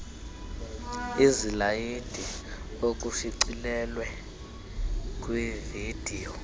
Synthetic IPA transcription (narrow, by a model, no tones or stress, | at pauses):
izilajid̥ʱi | ok̬ʼuʃiǀilɛlwɛ | k̬ʼwivid̥ʱiːjɔ